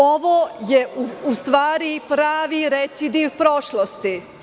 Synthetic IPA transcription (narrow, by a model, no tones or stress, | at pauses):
oʋojeuust̪ʋaːɾipɾaːʋiɾet̪sid̪iwpɾo̞ʃlost̪i